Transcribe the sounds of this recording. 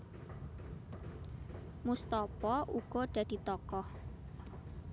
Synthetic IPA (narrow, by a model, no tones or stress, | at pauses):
must̪ɔpɔʔuɡ̥ɔɖ̥äd̥i̤t̪ɔkɔh